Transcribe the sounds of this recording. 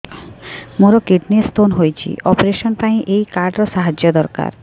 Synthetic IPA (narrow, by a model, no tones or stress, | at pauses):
moɾokeʈnist̪onɦojt͡ɕʰḭʔɔpoɾeʃonpaj̃ʔejkaɾɖɾoʃaɦad͡ʑod̪ɔɾka̰ɾ